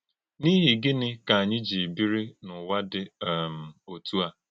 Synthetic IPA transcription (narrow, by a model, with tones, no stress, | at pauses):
ni˦ɦi˨ɡɪ˦nɪ˦ka˨a˨ɲɪ˦d͡ʒi˨bi˦ɾi˦nʊ˨wa˦dɪ˦˨m̩˨o˨tu˦a˦